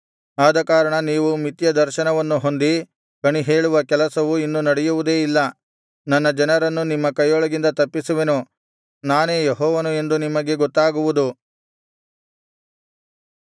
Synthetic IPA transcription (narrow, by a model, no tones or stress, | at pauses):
aːd̪ɐkaːɾɐɳɐniːʋumit̪jɐd̪ɐɾʃɐnɐʋɐnːuɦo̞nd̪i | kɐɳiɦe̞ːɭuʋɐkɛlɐsɐʋuinːunɐɽɛjuʋud̪e̞ːilːɐ | nɐnːɐd͡ʒɐnɐɾɐnːunimːɐkɐjɔɭɐɡind̪ɐt̪ɐpːisuʋe̞nu | naːne̞ːjeɦɔːʋɐnue̞nd̪unimɐɡe̞ɡɔt̪ːaːɡuʋud̪u